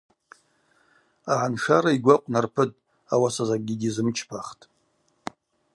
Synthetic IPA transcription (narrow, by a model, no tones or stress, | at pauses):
aʕanʂaɾaiɡʷaqʷʼnarpʰɨtʼ | awasazaɡʲiɡʲizɨmt͡ʃʰpʰaχtʼ